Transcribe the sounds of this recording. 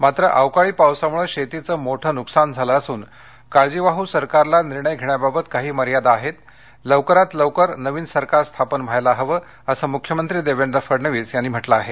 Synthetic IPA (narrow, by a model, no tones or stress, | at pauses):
mat̪ɾəʔaʋkaɭiːpawsamuɭeɕet̪it͡səːmoʈʰəːnuksand͡zʱaləːsuːn | kaɭd͡ʑiʋaɦuːsəɾkaɾlaniɾɳəjɡʱeɳjababət̪kaɦiːməɾjad̪aːɦet̪ | ləʋkəɾat̪ləʋkəɾnəʋiːnsəɾkaɾst̪ʰapənʋʱajlaɦəʋəː | əsəmukʰjəmənt̪ɾiːd̪eʋeɳd̪əfəɾnəʋiːsjanːiːm̤əʈlaːɦe